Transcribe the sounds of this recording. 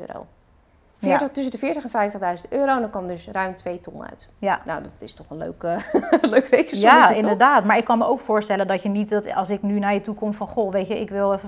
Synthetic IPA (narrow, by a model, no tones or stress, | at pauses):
ro̰ | fjɪɹətɵsədəfɪːɹtəxɛnfɛjftəɣdœɥzə̃ntøːɾowndɔnkɔmdɵsrœɥmtʰʋejtɔ̰nœ̰ɥt | jana̰wdɔtɪstɔχənlø̰ːkəløːkʋekəjaɪndəɹdaːtmaɹɪkːɑnməʔowkfoːɹstɛləndɔtjənitɔtɑ̰lˠsɪknynajətukomfɔnχoʋejtəɪkʋɪlˠɛfə